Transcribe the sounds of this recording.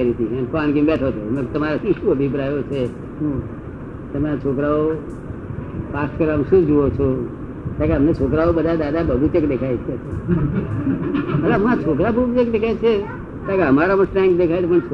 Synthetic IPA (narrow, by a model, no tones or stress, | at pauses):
əɾit̪ʰiənkoanɡimbɛʈʰot̪ʰomẽt̪əmaɾasiʃuəbʱipɾajot͡ʃʰe | t̪əmaɾat͡ʃʰokɾao | past̪kəɾəmʃũd͡ʒoʋot͡ʃʰo | t̪akeɦəmnet͡ʃʰokɾaobəd̪ʱad̪ad̪abʱəʋit͡ʃəkd̪ekʰajt͡ʃʰet͡ʃʰe | mət̪ləbmt͡ʃʰokɾabʱəʋit͡ʃək̚d̪ekʰajt͡ʃʰe | t̪akeɦəmaɾaməsʈɾãŋkd̪ekʰajlpəɳt͡ʃʰ